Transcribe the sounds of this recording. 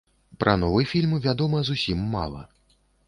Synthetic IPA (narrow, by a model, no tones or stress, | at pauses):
pɾʔɐ̰nɔvɨjfʲilʲmvʲad̪ɔmɐzusʲimːa̰lˠɐ̰